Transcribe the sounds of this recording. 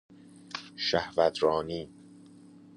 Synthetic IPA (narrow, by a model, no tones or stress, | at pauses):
ʃæhvæt̪ɾɒːniː